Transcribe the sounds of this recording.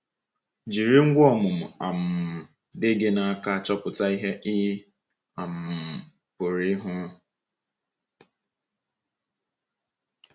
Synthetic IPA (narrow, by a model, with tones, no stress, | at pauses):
d͡ʒi˨ɾi˦ŋ̩˦ɡʷɔ˨mʊ˨mʊ˨a˨m̩˨ | dɪ˦ɡe˦na˨a˦˨ka˦a˨t͡ʃɔ˦pʊ˨ta˦i˦ɦe˦ʔi˦ɦi˦ | a˨m̩˨ | pʊ˨ɾi˦ɦʊ˦